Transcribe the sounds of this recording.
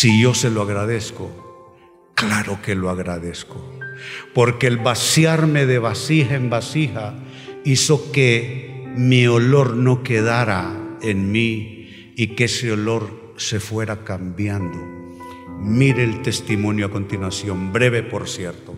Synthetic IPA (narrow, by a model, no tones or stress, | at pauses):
siʝo̞se̞loaɣɾað̞e̞sko̞ | klaɾo̞ke̞loaɣɾaðe̞skopo̞ɾkeːlβasjaɾme̞ðe̞βasihaembasiha | iso̞ke | mio̞lo̞ɾno̞ke̞ðaɾae̞nmi | ikeeseolo̞ɾ | se̞fwe̞ɾakambjand̪o | miɾeːlt̪e̞st̪imõ̞njoako̞nt̪inwasjo̞mbɾe̞βepo̞ɾsje̞ɾt̪o